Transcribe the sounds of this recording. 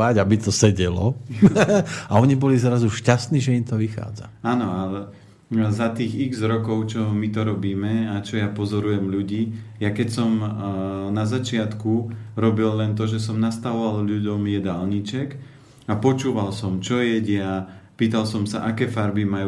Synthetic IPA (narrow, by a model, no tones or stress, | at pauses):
aɟabit̪ɔsɛɟɛlɔ̰ | aɔɲibɔlizɾazuʃcast̪niːʒɛimt̪ɔʋixa̰ːd͡za̰aːnɔalɛ | zat̪iːɣiɡzɾɔkɔʊt͡ʃɔmit̪ɔɾɔbiːmɛat͡ʃɔjapɔzɔɾujɛmʎuɟiː | jakɛcsɔm | nazat͡ʃɪat̪ku | ɾɔbilːɛnt̪̬ɔʒɛsɔmnast̪aʋɔʋalʎuɟɔmjɛd̪aːlɲit͡ʃɛk | apɔt͡ʃuːʋalsɔmt͡ʃɔjɛɟɪapiːt̪alsɔmsa̰ʔakɛːfaɾbimaju